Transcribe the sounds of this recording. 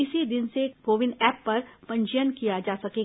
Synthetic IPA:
ɪsid̪ɪnsekoːʋɪnɛːpːɐɾpɐ̃ɲt͡ʃəjənkijad͡ʒaːsɐkeɡ

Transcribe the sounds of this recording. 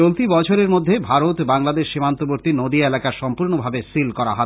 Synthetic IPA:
olt̪ibɔt͡ɕʰoɾeɾmodd̪ʱːebʱaɾot̪baŋlad̪eʃːimant̪oboɾt̪inod̪ielakaɾʃɔmpuɾnobʱabesilkɔɾa̰ɦɔ

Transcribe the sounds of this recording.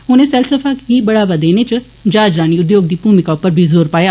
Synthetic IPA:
ɦʊnẽsɛlsəfʰaːkɦibɐɽaːbad̪eːnet͡ʃɐ | d͡ʒaːd͡ʒɾaːñiʊd̪joːɡ̚d̪iːbuːmɪkaʊpːəɾbʱizoːɾpaːjaː

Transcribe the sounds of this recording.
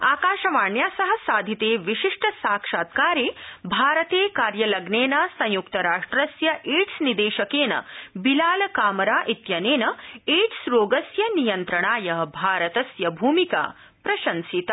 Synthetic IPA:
aːkaːʃɐʋaːɳjaːsɐɦɐ̆saːd̪ʱit̪eːʋiʃiʂʈɐsaːkʂaːt̪kaːɾeːbʱaːɾɐt̪eːkaːɾjɐlɐɡneːnɐsɐ̃j̃jukt̪ɐɾaːʂʈɾɐsjɐʔeːʈsnid̪eːʃɐkeːnɐ̰bilaːlɐkaːmɐɾaːʔit̪jɐneːnɐeːʈsɾoːɡɐsjɐnijɐnt̪ɾɐɳaːjɐɦɐbʱaːɾɐt̪ɐsjɐbʱuːmika̰ː | pɾɐʃɐnsit̪ɐ

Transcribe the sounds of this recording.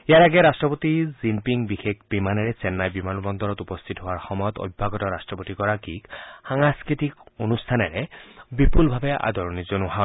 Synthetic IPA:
ejaɹaɡɛɹastɹɔpotizimpiŋbixek̚ʰbimanɛɹɛsɛnːajbimanbɔnd̪ɔɹɔtupɔst̪ʰitɦowaɹxɔmɔjɔt̪o̰bbʱaɡɔtɔɹastɹɔpotikɔɹakikxaŋaskɹitikonustʰanɛɹɛbipulbʱabɛʔa̰d̪ɔɹɔnizɔnʊɦa

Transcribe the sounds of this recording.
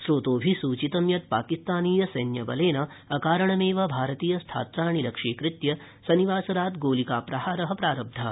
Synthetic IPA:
sɾoːt̪oːbʱisuːt͡ʃit̪ɐmjɐt̪̚paːkist̪aːniːjɐsɐjnjɐbɐ̰leːnɐ | ɐkaːɾɐɳɐmeːʋɐbʱaːɾɐt̪iːjɐst̪ʰa̰ːt̪ɾaːɳilɐkʂiːkɾɪt̪jɐ | sɐniʋaːsɐɾaːt̪ɡoːlikaːpɾɐɦaːɾɐɦɐpɾaːɾɐb̚d̪ʱɐ

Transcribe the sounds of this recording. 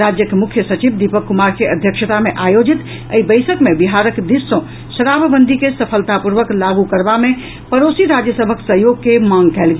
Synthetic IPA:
ɾad͡ʒjəkmukʰjəsət͡ʃibd̪ipəkːumaɾkeʔəd̪ʱjəkʃət̪ameʔajod͡ʒit̪ | ə̰ibəɪsəkmebiɦaɾəkd̪isːə̃ | səɾabʱbənd̪ʱikesəpʰəlt̪apuɾʋəklaɡukəɾbame | pəɾosiɾad͡ʒjəsəbʱəksəɦjoɡ̚kemãŋɡkɛlɡe

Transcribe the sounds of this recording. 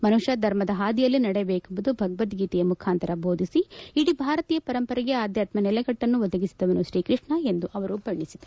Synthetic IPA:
mɐnuʃɐd̪ʱɐɾmɐd̪ɐɦaːd̪ijɐlːinɐɽɛjɐbeːkumbud̪ubʱɐɡɐʋɐt̪ɡiːt̪ɛjɐmukʰaːnt̪ɐɾɐbʱo̞ːd̪ʱisiiɽibʱaːɾɐt̪iːjɐpɐɾɐmpɐɾɐɡeaːd̪jaːt̪mɐnɛlɐɡɐʈːɐnːuʋɐd̪ɐɡisid̪ɐʋɐnuʃɾiːkɾɨʂɳɐe̞nd̪uʔɐʋɐɾubʱɐɳːisid̪ɐ

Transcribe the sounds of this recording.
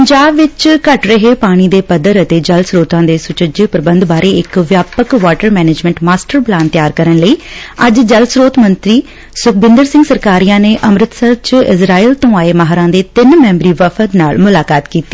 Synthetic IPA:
pəɲd͡ʒaːbʋɪt͡ʃkəʈɾəɦeːpaːɽ̃iːd̪eːpəd̪əɾət̪eːd͡ʒəlsɾoːt̪ãːd̪eːsʊt͡ʃəd͡ʒeːpɾəbənd̪baːɾeːɪkʋjaːpəkʋaːʈəɾmɛːneːd͡ʒmɛ̃ːɳʈmaːsʈəɾplaːnt̪jaːɾkəɾəɳləiːəd͡ʒd͡ʒəlsɾoːt̪mənt̪ɾiː | sʊk̚bɪ̃nd̪əɾsɪ̃ŋɡsəɾkaːɾijãːneːʔəmɾɪt̪səɾt͡ʃɪzɾaːiːlt̪õːaːeːmaɦɾãːd̪eːt̪ɪnmɛ̃ːmbɾiːʋəfʰət̪na̰ːlmʊlaːkaːt̪kiːt̪i̥ː

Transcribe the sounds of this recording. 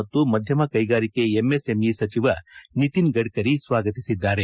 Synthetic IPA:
ɐt̪ːumɐd̪ʱjɐmɐkɐjɡaːɾike̞emːese̞misɐt͡ʃiʋɐnit̪inɡɐɽkɐɾisʋaːɡɐt̪isid̪ːaːɾe

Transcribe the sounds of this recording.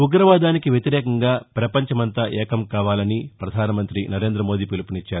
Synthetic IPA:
uɡɾɐʋaːd̪aːnikiʋjet̪iɾɛːkɐŋɡaːpɾɐpɐɲt͡ʃɐmɐnt̪ɐʔɛːkɐmkaːʋaːlɐnipɾɐd̪ʱaːnɐmɐnt̪ɾinɐɾe̞ːnd̪ɾɐmoːd̪iːpilupinit͡ʃːaːɾuu

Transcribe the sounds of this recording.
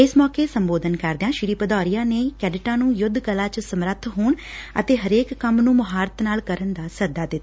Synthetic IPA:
ɪsmɔːkeːsəmboːd̪ənkəɾd̪ãːʃɪɾiːpəd̪ɔːɾijãːneːkɛːɖɪʈãːnũːjʊd̪ʱːkəlaːt͡ʃsəmɾət̪ʰːɦoːɳə̰t̪eːɦəɾeːkːəmnũːmʊɦaːɾət̪naːlkəɾənd̪aːsəd̪aːd̪ɪt̪ːaː

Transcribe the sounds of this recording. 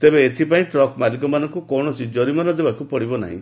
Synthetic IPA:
t̪ebeːt̪ʰipaĩʈɾɔkmalik̬ɔmanɔŋkukɔɽ̃ɔsid͡ʒɔɾimanɔd̪ebakupɔɽibɔna̰ɦḭ̃

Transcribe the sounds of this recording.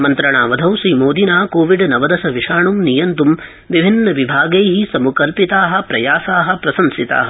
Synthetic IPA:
mɐnt̪ɾɐɳaːʋɐd̪ʱɐwsiːmoːd̪inaːkoːʋiɖnɐʋɐd̪ɐsɐʋiʂaːɳumnijɐnt̪um | ʋibʱinːɐʋibʱaːɡejɦisɐmukɐlpit̪aːɦɐ̆pɾɐjaːsaːɦɐ̆pɾɐsɐmsit̪a̰ːɦɐ̆

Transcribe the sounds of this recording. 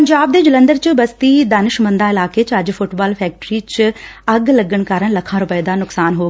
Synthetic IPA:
əɲd͡ʒaːbd̪eːd͡ʒələ̃nd̪əɾt͡ʃbəst̪iːd̪aːnɪʃmə̃nd̪ãːɪlaːkeːt͡ʃəd͡ʒpʰʊʈbaːlpʰɛːk̚ʈɾiːt͡ʃəɡləɡəɳkaːɾəɳləkʰːãːɾʊpəed̪aːnʊksaːnɦoː

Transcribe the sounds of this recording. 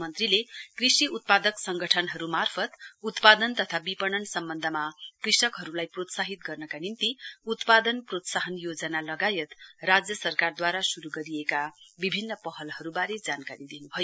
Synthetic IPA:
mʌnt̪rilekrisiut̪̚pad̪ʌksʌŋɡʌʈʰʌnɦʌɾumarpʰʌt̪ut̪pad̪ʌnt̪ʌt̪ʰabipʌnʌnsʌmbʌnd̪ʱʌmakrisʌkɦʌɾulajprot̪saɦit̪ɡʌrnʌkanint̪iut̪pad̪ʌnprot̪saɦʌnjod͡zʌnalʌɡajʌt̪rad͡zjʌsʌrkard̪waɾasuɾuɡʌɾijekabibʱinːʌpʌɦʌlhʌɾubaɾed͡zankaɾid̪inubʱʌjo

